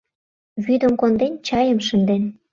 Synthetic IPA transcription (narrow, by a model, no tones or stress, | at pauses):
βyd̪ə̆mkond̪enʲt͡ɕɑjə̆mʃə̆nd̪en